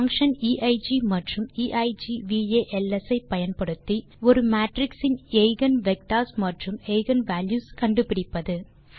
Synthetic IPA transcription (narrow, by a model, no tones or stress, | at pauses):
ɐŋkʂɐniːʔɐɪd͡ʒimɐʈrɯmiːʔɐɪd͡ʒiʋiːeːʔɛlːɛsɐɪpːɐjɐnpɐɽɯt̪ːi | ɔɾɯmaːʈrɪksɪneɪɣɐnʋɛk̚ʈaːsmɐʈrɯmeɪɣɐnʋaːljuːskɐɳɖɯpɪɽɪpːɐðɯ